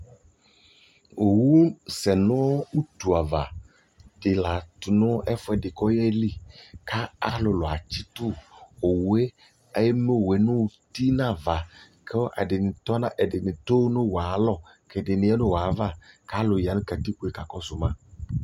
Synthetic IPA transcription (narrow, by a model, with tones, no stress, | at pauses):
o˨wu˦sɛ˨nʊ̃˦ɔ˦wu˦t̪u˨a˨va˨ | dɪ˨la˨t̪ʊ˨nʊ̃˦ʔɛ˦fʊ˦ɛ˨dɪ˨kɔ˦jɛ˦li˦ka˦a˦lʊ˨lʊ˨a̰˨t͡ɕi˦t̪ʊ˦o˨wu˨˦e˦ | e˦jɛ˦me˦˨we˨nʊ̃˦˨t̪i˦nã˦˨va˨ | kʰe˦wʔa̰˨dɪ˨nɪ̃˨t̪ɔ˦nã˦ʔɛ˨dɪ˨nɪ̃˨t̪o˦nʊ̃˦wa˨lɔ˦ | kʰɛ˨dɪ˨nɪ̃˨˦ɛ˦nʊ̃˦wa˨va˦˨ka˦lʊ˨ja˨nʊ̃˦ka˨t̪i˦k͡pu˨˦e˨ka˨kɔ˦sʊ˨mã˦